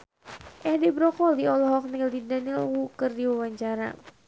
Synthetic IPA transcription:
ʔɛhdibɾɔkɔliɔlɔɦɔk̚nɛldidanilwukərdiwawaɲt͡ʃaɾa̰

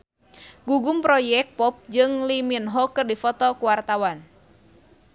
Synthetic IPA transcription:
ɡuɡʊmpɾɔjɛk̪̚pɔp̚d͡ʒɨŋliminɦɔkɨrdifɔt̪ɔkuwart̪awan

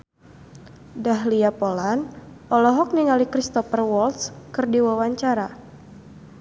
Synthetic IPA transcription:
daɦliapolanʔɔlɔɦɔk̚niŋalikɾist̪ɔfərwɔlt̪skɨrdiwawaɲt͡ʃaɾa

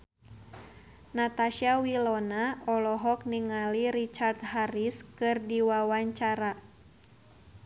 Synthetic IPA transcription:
nat̪aʃiawilɔnaɔlɔɦɔk̚niŋaliɾit͡ʃart̪haɾiskɨrdiwawaɲt͡ʃaɾa

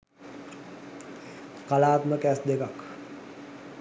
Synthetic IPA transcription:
kalaːt̪məkæsd̪ekak

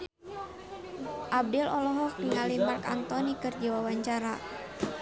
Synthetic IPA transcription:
ʔab̚dɛlɔlɔɦɔk̚niŋalimarka̰nt̪ɔnikɨrd͡ʒiwawaɲt͡ʃaɾa

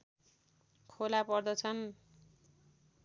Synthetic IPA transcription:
kʰolapʌrd̪ʌt͡sʰʌn

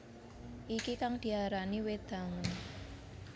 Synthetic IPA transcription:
ʔikikaŋd̪̥i̤aɾaniwed̪̥a̤ŋən

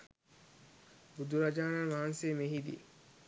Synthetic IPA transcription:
bud̪uɾɐd͡ʒaːnaːʋaːnseːmeɦid̪ḭ

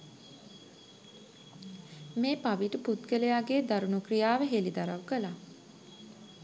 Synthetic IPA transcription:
meːpaʋiʈuput̪kəlejaːɡeːd̪aɾunukrijaːʋəɦelid̪aɾaʋkəla

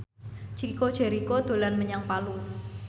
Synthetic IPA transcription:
t͡ʃikod̥ʒ̥ɛɾikod̪̥o̤lanməɲaŋpalu

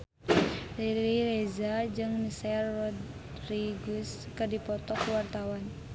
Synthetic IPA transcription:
liɾiɾezad͡ʒɨŋmisɛrːɔd | riɡus | kɨrdipɔt̪ɔkːuwart̪awan

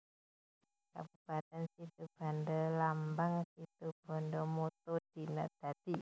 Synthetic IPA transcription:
ka̰bupat̪̚ɛnsit̪ub̥andəlambaŋsit̪ub̥ɔ̤ndəmot̪ɔd̥inə̰d̪̥ad̪i

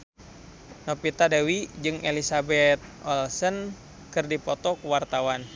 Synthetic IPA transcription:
nɔpit̪adewid͡ʒɨŋʔelisabɛt̪̚ɔlsən | kɨrdipɔt̪ɔkwart̪awan

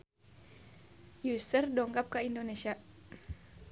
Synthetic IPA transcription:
jusərdɔŋɡap̚kaindonesia

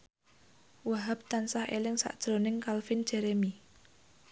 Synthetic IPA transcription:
waɦab̚t̪ansahḛlɪŋsa̰ʔd̥ʒ̥ɾonɪŋkalfin̥d͡ʒ̥ɛɾemi

